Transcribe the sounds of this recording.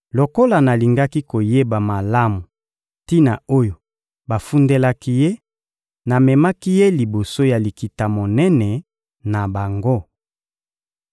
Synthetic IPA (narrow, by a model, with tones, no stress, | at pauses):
lo˨ko˦la˨na˨li˨ŋɡa˦ki˦ko˨je˦ba˨ma˨la˦mu˨ | ti˦na˨o˦jo˨ | ba˨fu˦nde˦la˦ki˦je˦ | na˨mɛ˨ma˦ki˦je˦li˨bo˨so˦ja˨li˨ki˨ta˨mo˨nɛ˦nɛ˨ | na˨ba˨ŋɡo˦